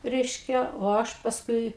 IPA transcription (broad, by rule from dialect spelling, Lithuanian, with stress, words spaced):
ˈrʲɛɪʃʲkʲɛ oː ˈɐʃ pɐsˈkʊɪ